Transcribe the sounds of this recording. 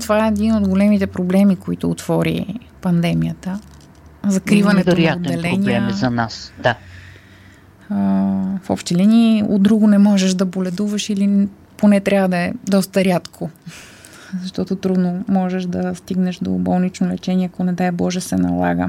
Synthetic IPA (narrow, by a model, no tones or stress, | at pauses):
t̪ovaɛːd̪inod̪ɡolɛmit̪ɛpɾoblɛmikoit̪ʊːt̪v̥ɔɾḭ | pɐnd̪ɛmiət̪ə | zɐkɾivɐnɛoɾnatod̪ːɛlɛniɛmzɐnasd̪a | fɔ̰pʃt̪ɛlinio̰d̪ɾuɡʊnɛmɔʒɛʃd̪ɐbolɛd̪uvɐʃili | ponɛt̪ɾʲavəd̪ɐɛd̪ɔst̪əɾʲat̪kʰo | zɐʃt̪ɔt̪ot̪ɾud̪nomɔʒɛʃd̪ɐst̪iɡnɛʃd̪o̰bɔlˠnit͡ʃnolɛ̰t͡ʃɛniɛɐkonɛd̪aɛbɔʒɛsɛnɐ̰lˠa̰ɡə̰